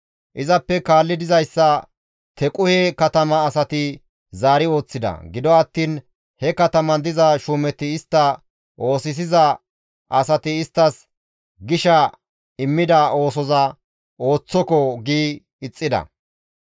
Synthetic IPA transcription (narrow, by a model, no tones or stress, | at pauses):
ʔɪzɐpːɛkaːlːɪd̪ɪzɐjsːɐ | t̪ʰɛkʼʊhɛkɐt̪ɐmɐːsɐt̪ɪ | zaːɾɪo̞ːt͡sːɪd̪ɐ̰ɡɪd̪ɔɐt̪ːiːn | hɛkɐt̪ɐmɐnd̪ɪzɐʃuːmɛt̪ːɪɪst̪ːɐ | ʔo̞ːsɪs̬ɪzɐ | ʔɐsɐt̪ɪɪst̪ːɐs | ɡɪʃɐ | ɪmːɪd̪ɐo̞ːs̬ɔzɐ | ʔo̞ːt͡sːɔkɔɡiː | ɪt͡sʼːɪd̪ɐ̰